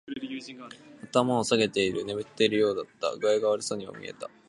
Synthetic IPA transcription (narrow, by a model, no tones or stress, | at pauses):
at̪amaosaɡe̞t̪e̞iɾɯ̟ne̞bɯ̟t̪ːeɾɯ̟jo̞ːd̪at̪ːa̰ɡɯeɡaβaɾɯso̞ɲ̟io̰mʲḭe̞̰t̪a